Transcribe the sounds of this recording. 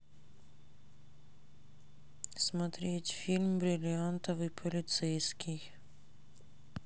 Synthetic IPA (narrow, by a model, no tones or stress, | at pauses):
smat̪ɾʲet͡ɕʲfʲilmbɾɪlʲiant̪ɔvipʰɔlʲit̪sɛjskʲʰix